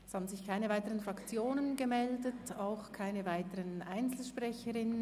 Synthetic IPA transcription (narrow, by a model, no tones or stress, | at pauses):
shaːbn̩zɪçkʰaɪnəvaɪtəʁənfʁɑkt͡sjoːnənɡəmɛldətaʊxkʰaɪnəvaɪtəʁənʔaɪnt͡sl̩ʃpʁ̥ɛçəʁɪnə